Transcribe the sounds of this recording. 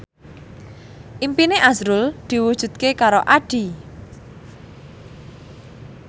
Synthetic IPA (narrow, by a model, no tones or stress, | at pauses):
ʔimpineʔasɾʊld̪̥i̤wud̥ʒ̥ṳt̪̚kekaɾoʔaɖ̥i̤